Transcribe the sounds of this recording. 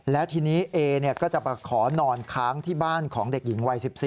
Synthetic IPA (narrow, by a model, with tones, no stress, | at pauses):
lɛ˦˥wt̪ʰiː˧niː˦˥ʔeː˧ni˥˩ɐkɔː˥˩t͡ɕa˨˩pa˧kʰɔː˩˦nɔː˧nkʰaː˦˥ŋt̪ʰiː˥˩baː˥˩nkʰɔː˩˦ŋde˨˩k̚ji˩˦ŋwa˧jsi˨˩p̚si˨˩